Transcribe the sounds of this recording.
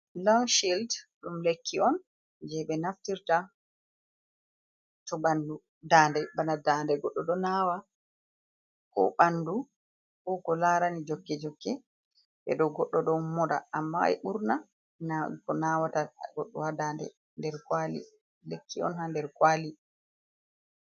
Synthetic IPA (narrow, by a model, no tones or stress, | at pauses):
lɔŋʃildɗumlekʰːiɔn | d͡ʒɛɓɛnaftiɾta | tɔɓandu | daːndɛbanadaːndɛɡɔɗːɔɗɔnaːwa | kɔ̰ɓandu | kɔkɔlaːɾanid͡ʒɔkːɛd͡ʒɔkːɛ | ʔɛ̰ɗɔɡɔɗːɔɗɔmːɔɗa̰amːa̰jɓuɾna | nakɔnawataɡɔɗːɔhadaːndɛ̰ | ndɛɾkwalḭ | lekːiɔ̰nhandɛɾkwaːli